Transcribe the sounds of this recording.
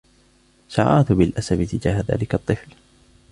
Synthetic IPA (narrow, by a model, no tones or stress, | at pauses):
saʕaːt̪bɪlʔasabɪt̪ɪd͡ʒaːhaða̰ːlɪkɑt̪ˤːɨfl